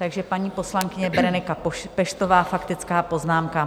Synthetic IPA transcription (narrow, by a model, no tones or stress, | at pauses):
t̪aɡʒɛpaɲiːpo̞slaŋkɪɲɛbɾɛnɪkapɛʃt̪ovaːfakt̪ɪt͡skaːpo̞znaːmka